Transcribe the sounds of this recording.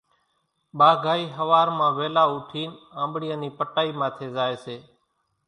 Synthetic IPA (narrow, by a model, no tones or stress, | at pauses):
ɓaːɡʱaːiːɦəʋaːɾmãːʋeːlaːʊːʈʰiːnãːmbɽijə̃ːniːpəʈaːiːmãːt̪ʰeːzaːeːseː